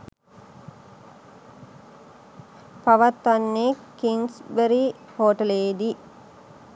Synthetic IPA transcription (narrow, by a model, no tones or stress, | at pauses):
paʋɐt̪ːʋɐnːekːiŋsbəɾi | hoːʈəleːd̪i